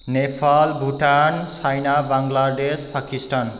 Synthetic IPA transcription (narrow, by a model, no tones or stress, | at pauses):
nepʰalbʱuʈansajnabaŋɡlaɖespʰakisʈan